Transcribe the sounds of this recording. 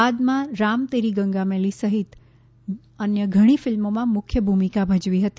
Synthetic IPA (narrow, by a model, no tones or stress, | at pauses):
ad̪mãɾamt̪eɾiɡə̃ŋɡamelisəɦɪt̪ | ənjəɡʱəɽ̃ifɪlmomãmʊkʰjəbʱumikabʱəd͡ʒʋiɦət̪i